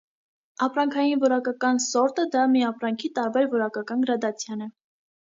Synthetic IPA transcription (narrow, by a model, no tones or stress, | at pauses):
ɑpɾɑŋkʰɑjinvɔɾɑkɑkɑnsɔɾt̪əd̪ɑmiɑpɾɑŋkʰit̪ɑɾbɛɾvɔɾɑkɑkɑnɡəɾɑd̪ɑt͡sʰjɑnɛ